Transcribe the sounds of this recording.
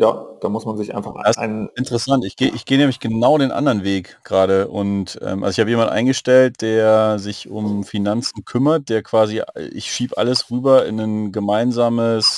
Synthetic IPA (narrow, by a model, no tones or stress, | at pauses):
ja̰ːd̥aːmʊsmanzɪçʔa̰ɪnfaχa̰ɪnɪntəʁəsantɪçɡ̥eːʔɪ̰çɡ̥eːənɛːmlɪçɡ̥ənaʊɾeːnʔa̰ndɐʁnveːk | ɡ̥ʁaːɾəʔʊntʔɛ̰ːmʔa̰lzoɪçhaːbəjeːmandtʔa̰ɪnɡəʃtɛlt̚d̥eːɐzɪçʊmfinant͡sn̩kʰʏmɐt̚d̥eːɐkv̥aːzḭʔɪ̰çʃiːbʔa̰ləsʁyːbɐɪ̰nənɡəmaɪnzaːməs